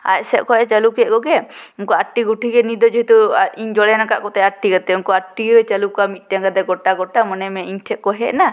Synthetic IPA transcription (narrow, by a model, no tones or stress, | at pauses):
a̰c̚sɛʔ̚kɔʔɛt͡ʃalukɛʔ̚kɔɡɛuŋkɔaʈːiɡuʈʰiɡɛnid̪ɔd͡ʒɛɦit̪uiŋd͡ʒɔɽɛnaka̰ʔkɔt̪ɛaʈːiɡat̪ɛuŋkɔaʈːiət͡ʃalukamit̪̚ˀʈaŋɡad̪ɛɡɔʈaɡɔʈamɔnɛmɛiŋʈʰɛʔ̚kɔɦɛʔna